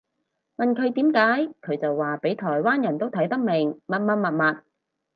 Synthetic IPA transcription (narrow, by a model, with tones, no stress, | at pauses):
mɐ˨nkʰɵ˨˧ɥt̪iː˨˥mkaː˨˥jkʰɵ˨˧ɥt͡sɐ˨wːaː˨pe˨˥jt̪ʰɔː˨˩jwaː˥njɐ˨˩nt̪o˥wt̪ʰɐ˨˥jt̪ɐ˥k̚mɪ˨˩ŋmɐ˨t̚mɐ˨t̚mɐ˨t̚mɐ˨t̚